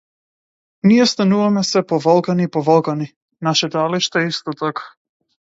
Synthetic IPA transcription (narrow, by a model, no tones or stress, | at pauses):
nijɛst̪anuvamɛsɛpɔvɔlˠkanipɔvɔlˠkani | naʃɛd̪aliʃt̪aɛist̪ɔt̪akḁ